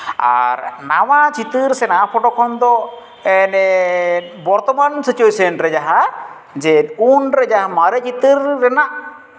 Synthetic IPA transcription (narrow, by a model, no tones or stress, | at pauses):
a̰ɾnawat͡ʃit̪ɨɾsɛnapʰɔʈɔkʰɔnd̪ɔ | ɛnɛ | bɔɾt̪ɔmansit͡ʃuesɔnɾɛd͡ʒaɦa | d͡ʒɛunɾɛd͡ʒaɦamaɾɛt͡ʃit̪əɾːɛnaʔ